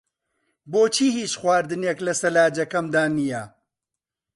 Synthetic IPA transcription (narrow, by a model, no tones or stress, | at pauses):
boːt͡ʃʰiːhiːt͡ʃxwaːɾd̪ɨneːklɐsɐlaːd͡ʒɐkɐmd̪aːnijɐ